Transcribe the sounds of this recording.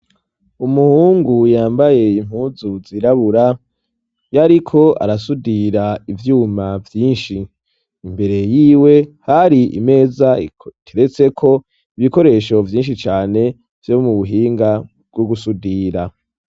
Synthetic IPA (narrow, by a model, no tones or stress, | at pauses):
umuhuːŋɡujaːmbaje̞im̥huːzuziɾaβuɾa | jaɾikʰo̞a̰ɾasudiɾaivjuːmavjiːnʃiː | mbe̞ɾe̞jiːwe̞haɾiḭme̞ːzatʰeɾet͡se̞kʰo̞ | iβiko̞ɾe̞ʃo̞vjiːnʃit͡ʃaːne̞ | v̥jomuβuɦiːŋɡa | bɡoɡusudiːɾa